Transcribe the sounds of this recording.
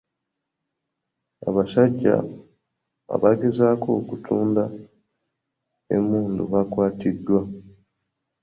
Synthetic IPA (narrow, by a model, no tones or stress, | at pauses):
a̰βaʃaɟːa̰ | a̰βaɡe̞zaːko̞ːkutʰuːnda | ḛmuːndṵβakwaːtidːwa